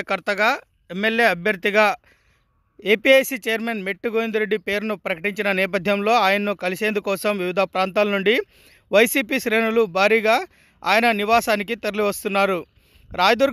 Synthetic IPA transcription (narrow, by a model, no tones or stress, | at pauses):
ɐkɐɾt̪ɐɡaː | emːe̞lje̞ːɐbʱjɐɾd̪iɡaː | e̞ːpiejsit͡ʃejɐɾmenmeʈːuɡoːjind̪ɾe̞ɖːipe̞ːɾunupɾɐkɐʈiɲt͡ʃinɐnɛːp̬ɐd̪ʱjɐmlo̞ːaːjɐnɐnukɐliseːnd̪ukɔːsɐmʋiʋid̪ʱaːpɾaːnt̪aːlɐnuɳɖi | ʋɐjsiːpiːʃɾe̞ːnulubʱaːɾiːɡaː | a̰ːjɐnɐniʋaːsaːnik̬it̪ɐɾliʋɐst̪unːaːɾu | ɾaːjɐd̪uɾ